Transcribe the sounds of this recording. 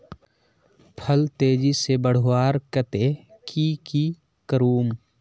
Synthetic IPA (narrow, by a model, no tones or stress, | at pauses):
pʰəlt̪eːd͡ʒisebəɽ̤waːɾkət̪e | kiːki | kəɾuːm